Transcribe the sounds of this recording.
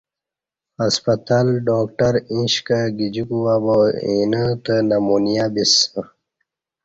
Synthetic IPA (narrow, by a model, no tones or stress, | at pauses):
ɐspɐt̪alɖoːk̚ʈɐɾĩɕkaɡid͡ʑukuwaːboḛnət̪ənamunijabisə